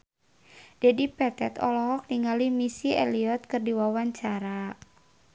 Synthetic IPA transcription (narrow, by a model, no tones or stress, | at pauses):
d̥ɛdipɛt̪ɛt̪ɔ̰lɔɦɔk̚niŋalimisiɛliɔt̪̚kɨrdiwawaɲt͡ʃaɾa